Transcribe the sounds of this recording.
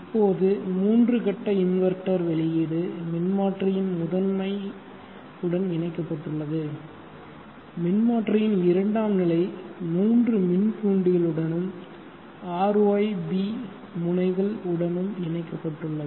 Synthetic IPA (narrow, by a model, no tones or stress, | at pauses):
ɪpːoːðɯmuːndrɯkɐʈːɐɪnʋɐɾʈːɐɾʋɛɭɪjeːɽɯmɪnmaːʈrɪjɪnmʊðɐnmɐɪ | ɯɽɐnɪnɐɪkːɐpːɐʈːɯɭːɐðɯ | mɪnmaːʈrɪjɪnɪɾɐɳɖaːmnɪlɐɪmuːndrɯmɪnkuːɳɖɯɣɐɭɯɽɐnɯm | aːɾɐɪbi | mʊɳɐɪɣɐɭɯɽɐnɯmɪnɐɪkːɐpːɐʈːrɯɭːɐðɯ